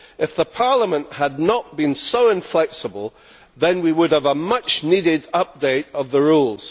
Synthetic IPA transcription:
ɪfðəpʰɑɹlˠəmə̃nʔhədⁿnəʔ̚b̥ĩnsoʊɪ̃ɱflɛksəbəlˠ | ðɨ̃nwiwʊɾəvəmʌt͡ʃnidɪdʌp̚d̥eɪɾʌvðəɹulˠz̥

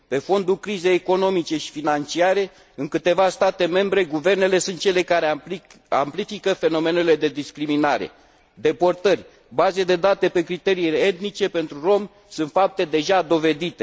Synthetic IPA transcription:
pe̞fo̞nd̪ulkɾize̞jeko̞no̞mit͡ʃe̞ʃi̥finant͡ʃiaɾe̞ | ɨŋkɨt̪e̞vast̪at̪e̞me̞mbɾe̞ɡuve̞rne̞le̞sunt̪̚t͡ʃe̞le̞kaɾe | a̰mplifikəfe̞no̞me̞ne̞le̞d̪e̞d̪iskɾiminaɾe̞̰ | d̪e̞po̞rt̪ərʲ | bazed̪e̞d̪at̪e̞pe̞kɾit̪e̞ɾiːlet̪nit͡ʃe̞pe̞nt̪ɾuro̞m | sunt̪fap̚t̪e̞d̪e̞ʒad̪o̞ve̞d̪it̪e̞

